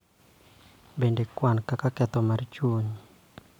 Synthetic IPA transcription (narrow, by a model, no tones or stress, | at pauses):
bendekwankakakɛt̪ɔmart͡ʃwoɲ